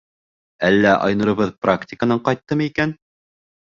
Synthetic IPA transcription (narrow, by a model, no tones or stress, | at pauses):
ælːæʔɑ̰jnɤ̆ɾɤ̆βɤðpraktʲɪkənɤɴqɑjt̪ːɤmɤikæn